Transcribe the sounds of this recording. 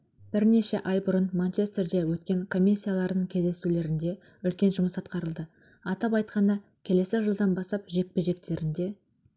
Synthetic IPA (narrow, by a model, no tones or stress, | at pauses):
b̥ɪɾne̞ʃeʔɑjbʊɾənmant͡ʃe̞st̪e̞rd̪e̞wɵt̪kʲe̞ŋkʰo̞mʲisʲːijalˠɑɾd̪əɴkʲʰe̞zd̪e̞sule̞ɾɪnd̪e̞ | ʏlkʲe̞nʒʊməsɑt̪qɑɾəlˠd̪ə | ɑt̪ɑpɑjt̪̚qɑnd̪ɑ | kʲʰe̞le̞sɪʒəlˠd̪ɑnbɑst̪ɑpʒe̞k̚pe̞ʒe̞k̚t̪e̞ɾɪnd̪e̞